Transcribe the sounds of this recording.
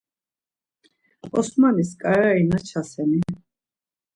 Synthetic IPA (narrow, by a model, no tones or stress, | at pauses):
ɔsmaniskʼaɾainat͡ʃʰasɛni